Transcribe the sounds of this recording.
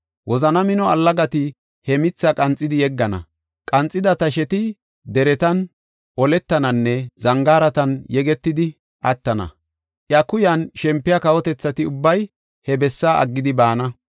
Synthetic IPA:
wʔɔzɐnɐmɪnɔɐlːɐɡɐt̪ɪ | hɛmɪt͡sːɐkʼɐnt͡sʼːɪd̪ɪjɛɡːɐnɐ̰ | kʼɐnt͡sʼːɪd̪ɐt̪ɐʃɛt̪ɪ | d̪ɛɾɛt̪ɐn | ʔɔlɛt̪ːɐnɐnːɛzɐŋɡaːɾɐt̪ɐnjɛɡɛt̪ːɪd̪ɪ | ʔɐt̪ːɐnɐ̰ | ʔjɐkʊjɐnʃɛmpːɪjɐkɐwɔt̪ɛt͡sːɐt̪ɪʊbːɐj | hɛbɛsːaːʔɐ̰ɡːɪd̪ɪbaːnɐ

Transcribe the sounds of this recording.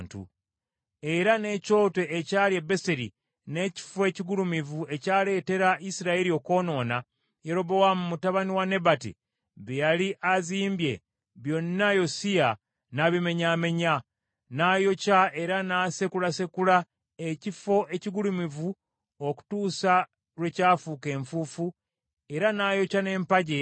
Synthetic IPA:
ntṵ | e̞ɾane̞ːco̞ːte̞ʔːcaːljebe̞seɾḭ | ne̞ci̥fwe̞ːciɡulumivue̞caːle̞ːte̞ɾaisiɾaeɾio̞ko̞ːno̞ːna | je̞ɾo̞bo̞wamumutaβaniwane̞batḭ | βejaliʔaziːmbje̞ | βjo̞nːajo̞sija | naβime̞ɲaːme̞ɲa | naːjo̞cae̞ɾanaːse̞kulase̞kula | ecifo̞ʔe̞ciɡulumivu | oku̥tuːsa | ɾwe̞caːfuːke̞ːɱfuːfu | e̞ɾanaːjo̞cane̞ːmpaɟe̞

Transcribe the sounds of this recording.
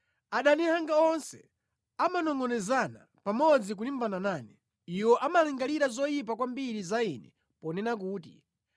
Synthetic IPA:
aɗanɛhaŋɡaɔnsɛ | amanɔŋɡɔnɛzana̰ | pamɔd͡zik̬ulimbananaːnɛ | iwɔʔamaliŋɡaliɾazɔjip̬akwambiɾizainɛ̰ | pɔnɛnak̬uːtḭ

